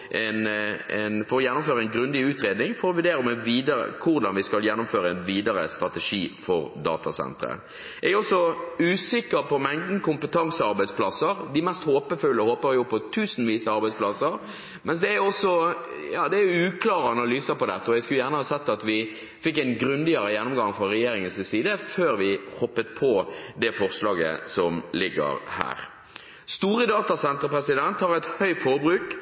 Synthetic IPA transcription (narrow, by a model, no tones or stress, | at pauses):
ʔɛnɛnfɔɾɔjɛnːʊmføːɾəæɪnɡɾʉnd̪ɪʉːt̪ɾeːd̪nɪŋfɔɾɔʋʉɾd̪eːɾɔmɛʋiːd̪əɾə̰kʰʊɾd̪ɑnʋɪskɑljɛnːʊmføːɾəænʋiːd̪ɑɾə̰st̪ɾɑt̪ɛʂiːfɔɾd̪ɑ̰ːt̪ɑsɛ̰nt̪ɾə̰ | ɛɡɔsːɔʉːsɪkːəɾpɔmɛŋd̪n̩kʊmpət̪ʰɑŋsəɑɾbæɪspʰlɑsəɾd̪ɪmɛst̪hoːpəfʉlːəhoːpəɾjʊpʰːɔt̪ʰʉːsn̩ʋiːsəɑɾbæɪspʰlɑsəɾ | mɛnsd̪ɛæɾjʊɔsɔ | jɑːd̪ɛæjʊʉːkʰlɑːʁəɑnɑlyːsəpɔd̪ɛt̪ːəɔjæskʉljæːʁnəhɑːsɛt̪ːɑt̪ʋɪ | fɪkːæɪnɡɾʉnd̪ɪəɾəjɛnːɔmɡɑŋfʁɔʁɛjeːɾɪŋənssiːd̪əføːɾʋɪhɔpːət̪̚pʰɔd̪ɛfɔʁslɑːɡə̰sɔmlɪɡːə̰ɾhæ̰ːɾ | st̪uːɾəd̪ɑːt̪ɑsɛnt̪əpɾɛsɪd̪ɛnt̪hɑɾæt̪hœʏfɔɾbɾʉːk